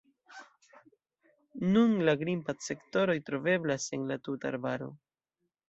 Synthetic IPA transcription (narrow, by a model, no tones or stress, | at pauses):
nunlaɡɾimpatse̞kto̞ɾo̞jtɾo̞ve̞blase̞nlatuta̰ɾbaɾo̞̰